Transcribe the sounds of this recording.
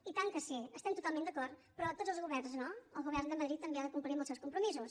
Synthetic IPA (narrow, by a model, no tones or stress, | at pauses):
it̪aŋkəsiəst̪ɛmt̪ut̪alˠmend̪əkɔɾt̪pɾɔt̪od͡zəlˠzɣuβɛrnsznoəlˠɣuβɛrnd̪əməðɾit̪ːəmbeaðəkumpɾimbəlˠsɛwskumpɾumizus